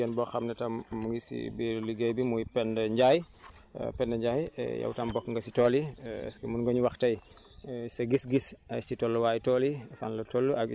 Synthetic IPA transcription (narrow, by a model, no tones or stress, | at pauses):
ɛnbɔxɐmnɛtɐmːuŋɡisḭbiɾliɡejbimujpɛndɐɲɟaːj̰ | pɛndɐɲɟaːj̰jɐ̰wtɐmbɔkŋɡɐsitɔːliɛ̰skɛmunŋɡɔɲuwaxtɐj | sɐɡisɡisɐjsitɔlːuwaːjtɔlifa̰nlɐtolːuʔɐɡ